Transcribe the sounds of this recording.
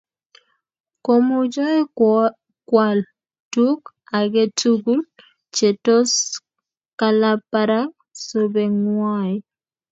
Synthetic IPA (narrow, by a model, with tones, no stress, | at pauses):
ko˨mu˦d͡ʒɔ˦ɛ˦ | kwa˨l | tu˦k | a˨ɡe˦tʰuɡu˦l | t͡ʃe˨to˦s | kala˦pa˦ɾa˦ | so˦be˨ŋwa˦i˨